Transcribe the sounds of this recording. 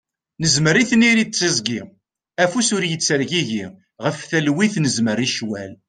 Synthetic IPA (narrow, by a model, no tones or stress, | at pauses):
nəzməɾiθniɾit͡sːəzɡi | æfusʊɾjət͡sːəɾʝiʝi | ʁəfθælwiθnəzməɾiʃwæl